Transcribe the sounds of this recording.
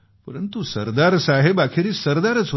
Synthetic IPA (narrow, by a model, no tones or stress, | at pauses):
pəɾənt̪usəɾd̪aɾsaɦebakʰiɾiːsəɾd̪aɾət͡s